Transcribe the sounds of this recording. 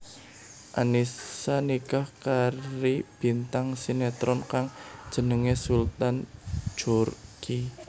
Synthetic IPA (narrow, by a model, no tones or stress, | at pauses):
ʔa̰nisanikahkaɾib̥i̤nt̪aŋsinɛt̪ɾɔnkaŋd̥ʒ̥ə̤nəŋesult̪an̥d͡ʒ̥urki